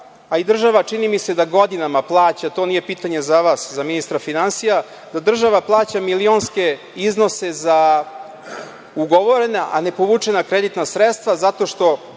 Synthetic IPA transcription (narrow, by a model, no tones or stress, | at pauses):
aid̪r̩ʒaʋat͡ʂinimise̞d̪aɡo̞d̪inamaplˠaːt͡ɕat̪o̞nije̞piːt̪aɲe̞zaʋaːszaminist̪ɾafinansija | d̪ad̪r̩ʒaʋaplˠaːt͡ɕamilio̞nske̞ | izno̞se̞za | uɡo̞ʋo̞ɾenaʔane̞poʋuːt͡ʂenakɾed̪it̪nasɾet̪st̪ʋazat̪o̞ʂt̪o̞